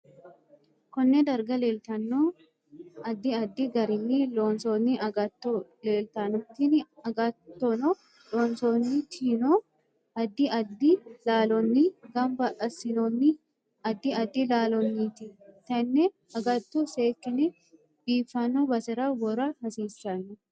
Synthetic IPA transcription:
kɔnːɛd̪ɐɾɡɐle̞ːlt̪ɐnːoː | ɐd̪ːɪɐd̪ːɪɡɐɾɪnːiloːnsoːnːɪʔɐɡɐt̪ːole̞ːlt̪anʊt̪ːɪnɐɡɐt̪ːonɔ | loːnsoːnːɪt̪ʰiːno | ɐd̪ːɪʔɐd̪ɪlaːlɔnːɪɡɐmbɐʔɐsɪnɔnːɪ | ɐd̪ːɪɐd̪ːɪlaːlɔnːiːt̪ɪt̪ɐnːɛ | ɐɡɐt̪ːuseːkːɪnɛ | b̥iːfːɐnːɔbɐsɪɾawɔɾɐhɐsiːsːanɐ

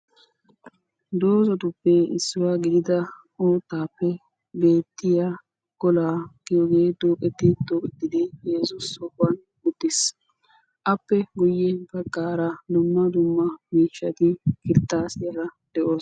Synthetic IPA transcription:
d̪oːzɔt̪ʊpːeɪsːɪwaːɡɪd̪ɪd̪ɐ | ʔoːt̪ːaːpːɛ | be̞ːt̪ːɪja | ɡ̥ɔlaːkɪjɔɡe̞ːd̪oːkʼɛt̪ːɪd̪oːkʼɛt̪ːɪd̪ɪjɛzʊsɔʔʊɐn | ʊd̪̥ːɪs | ʔɐpːɛɡʊjːɛbɐkʼːaːɾɐd̪ʊmːɐd̪ʊmːɐmiːt͡ʃːɐt̪ɪkɪɾt̪ːaːsɪjɐɾɐd̪̥ɛʔoːs

